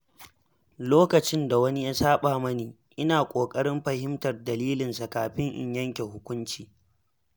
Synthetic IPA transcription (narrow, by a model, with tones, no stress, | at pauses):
loː˦kɐ˨t͡ʃɪ˦nda˨wɐ˦ni˦ja˦saː˦ɓaː˨mɐ˦niː˨ | ʔɪ˦naː˨kʷʼoː˨kʼɐ˦ɽɪ˦mɸɐ˨hɪ˦mtɐ˨rdɐ˨liː˦lɪ˨nsa˨kaː˨ɸɪ˦ŋʔɪ̰˨ɲjɐ˦ŋkʲe˨hʊ˦kʷʊ˦nt͡ʃiː˨